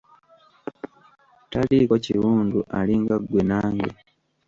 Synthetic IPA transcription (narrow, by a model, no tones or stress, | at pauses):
talikociwuːnduʔaliŋɡaɡwe̞naːŋɡḛ